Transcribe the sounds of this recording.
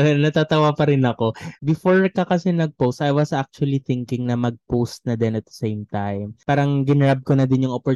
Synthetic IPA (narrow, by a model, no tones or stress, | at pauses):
nɐt̪at̪ɐwapɐɾɪnɐko̞bɪfoɹkɐkɐsɛnɐɡ̚powst̪ajwɐsʔak̚t͡ʃuɐliθɪŋkɪŋnɐmɐɡ̚powst̪̚nɐd̪ɛnɐt̪̚ɐ̥sejmt̪ajmpaːɾɐŋɡɪnɾab̚konɐd̪ɪnjʊŋopɔ